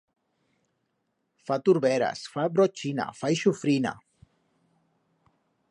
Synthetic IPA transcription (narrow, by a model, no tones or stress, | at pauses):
fat̪uɾbeɾa̰sfabɾot͡ʃina̰fajʃufɾina̰